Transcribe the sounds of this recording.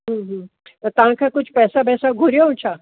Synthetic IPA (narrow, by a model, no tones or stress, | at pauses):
ɦə̃ːɦə̃ | t̪ɐɦãkʰakʊt͡ʃʰpɛːsabɛːsaɡʱuɾjaɦũt͡ʃʰa